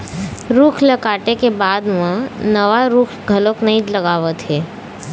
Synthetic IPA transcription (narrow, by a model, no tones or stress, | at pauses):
ɾuːkʰlɐkaːʈekebaːd̪ʋãnɐʋaɾuːkʰɡʱɐloknɐɦĩlɐɡaːʋət̪ɦeː